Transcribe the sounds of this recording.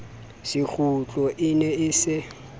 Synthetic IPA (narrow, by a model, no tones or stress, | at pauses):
sɪk͡xut͡ɬʼɔʔɪnɛɪsɪ